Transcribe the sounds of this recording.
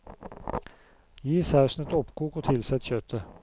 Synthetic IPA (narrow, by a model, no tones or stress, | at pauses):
jiːsæːʂn̩ət̪ɔpkʰuːkoːt̪ʰɪlsɛt̪çœt̪ʰə